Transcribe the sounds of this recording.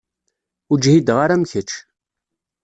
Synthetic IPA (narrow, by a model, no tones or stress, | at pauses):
ud͡ʒhid̪ʁaɾamçət͡ʃ